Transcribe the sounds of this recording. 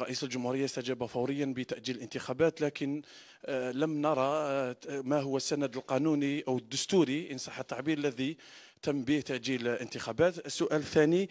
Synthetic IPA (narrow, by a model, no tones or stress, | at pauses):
ɾˤːɑʔisəlʒʊmhuɾəjːast̪æd͡ʒæbæfɑwɾəjːanbət̪æʔd͡ʒiləlʔənt̪əxæbæt̪lækən | ləmnɑɾˤɑ | mæɦʊwːæsːænəd̪əlqɑnuniʔəwəd̪ːʊst̪uɾiʔənsˤɑħːət̪ːɑʕbiɾəlːæði | t̪əmːbiht̪æʔd͡ʒilʔənt̪əxæbæt̪əsːʊʔælθæni